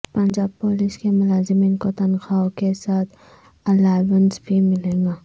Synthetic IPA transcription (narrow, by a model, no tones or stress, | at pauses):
pənd͡ʒaːb̚poːlɪskemʊlaːzɪminkot̪ɐnxaːwkesaːt̪ʰ | ɐlaːʋənsbʱimɪlẽːŋɡaː